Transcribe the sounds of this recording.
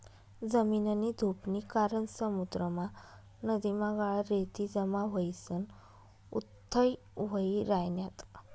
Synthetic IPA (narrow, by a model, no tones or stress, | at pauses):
d͡zəminənid̪ʱupnikaɾənsəmud̪ɾəma | nəd̪imaɡaɭɾet̪id͡zəmaʋəjsən | ṵt̪ʰːəj | ʋəiɾajnjat̪